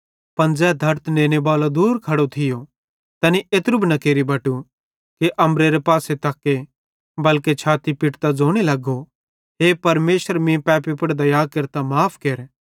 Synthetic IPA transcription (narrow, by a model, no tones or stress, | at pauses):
pɐnd͡zɛːd̪ʱɐɾt̪nẽːñebaːlod̪uːɾkʰɐɽot̪ʰɪjo | t̪ɐːniʔet̪ɾʊbnɐkeːɾibɐʈu | keʔɐmɾeɾepaːset̪ɐkːe | bɐlket͡ʃʰaːt̪ipɪʈt̪ad͡zoːɽ̃elɐɡo | ɦeːpɐɾmeːsəɾmĩpɛːpipɐɽd̪ɐjaːkɐɾt̪amaːpʰkeːɾ